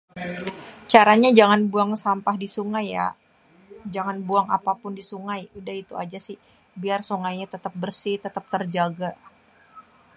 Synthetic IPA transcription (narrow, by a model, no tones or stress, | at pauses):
t͡ʃaɾaɲad͡ʒaŋanbuaŋsampahdisuŋaja̰ | d͡ʒaŋanbuaŋa̰papʊndisuŋajudaɦit̪uad͡ʒasɪh | biarsuŋajɲat̪ət̪ap̚bərsɪt̪ət̪ap̚t̪ərd͡ʒaɡa